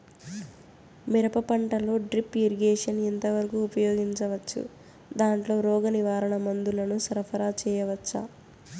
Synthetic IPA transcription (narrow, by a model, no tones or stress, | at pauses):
miɾɐpɐpɐɳʈɐlo̞ːɖɾipːiɾiɡeːʂɐnɛnt̪ɐʋɐɾɐkuːpɐjoːɡiɲt͡ʃɐʋɐt͡ʃːṵ | d̪aːɳʈlo̞ːɾɔːɡɐniʋaːɾɐɳɐmɐnd̪ulɐnusɐɾɐpʰɐɾaːt͡ʃɛːjɐʋɐt͡ʃːɐ̰